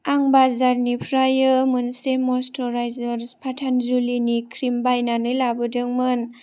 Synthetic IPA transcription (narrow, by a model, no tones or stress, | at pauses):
aŋbazaɾnipʰɾajɯmɯnsemɔstɔɾajzaɾspʰatʰanzulinikʰɾimbajnanɯlabɯdɯŋmɯn